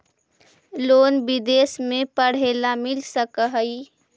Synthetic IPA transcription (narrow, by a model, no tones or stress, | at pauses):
loːnbid̪eːsmẽpəɽ̤elamɪlsəkəɦəi